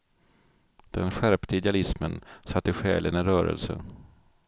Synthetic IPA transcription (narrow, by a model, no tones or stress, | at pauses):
d̪̥ɛnɧæɾpt̪ʰəɪd̪ɪalɪsmənsat̪ːɪɧɛ̰ːlənəɾœːɾə̰lsə̰n